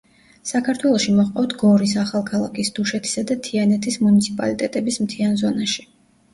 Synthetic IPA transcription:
sakʰaɾt̪ʰwɛlˠɔʃimɔχqʼɔft̪ʰɡɔɾisaχalˠkʰalˠakʰisd̪̥uʃɛt̪ʰi̥sad̪at̪ʰianɛt̪ʰismunit̪sʰipʼa̰lit̪ʼɛt̪ʼɛbismt̪ʰianzɔnaʃi̥

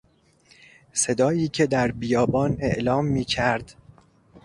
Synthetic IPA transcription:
se̞d̪ɒːjiːcʰe̞d̪æɾbijɒːbɒːne̞ʔlɒːmːiːcʰæɾd̪̥

